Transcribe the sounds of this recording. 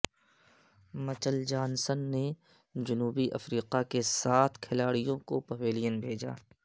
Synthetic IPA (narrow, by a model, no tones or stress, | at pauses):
mɐt͡ʃəld͡ʒaːnsənːe | d͡ʒʊnuːbiʔɐ̰fɾiːqakesaːt̪ʰkʰɪlaːɽijõkopɐʋeːlijənbʱeːd͡ʒa̰ː